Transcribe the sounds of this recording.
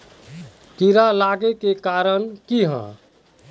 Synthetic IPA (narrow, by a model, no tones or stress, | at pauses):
k̪iɾalaɡekekaɾənkiɦə̰̃